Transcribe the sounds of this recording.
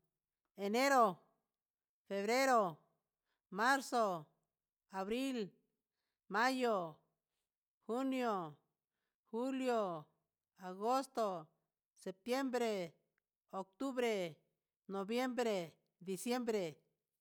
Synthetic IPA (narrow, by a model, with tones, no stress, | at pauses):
e˨ne˦ɾo˨ | fe˨βɾe˦ɾo˨ | ma˦ɾso˨ | a˨βɾi˦l | ma˦jo˨ | xu˦njo˨ | xu˦ljo˨ | a˨ɡo˦st̪o˨ | se˨p̚t̪je˦mbɾe˨ | o˨k̚t̪u˦βɾe˨ | no˨bje˦mbɾe˨ | d̪i˨sje˦mbɾe˨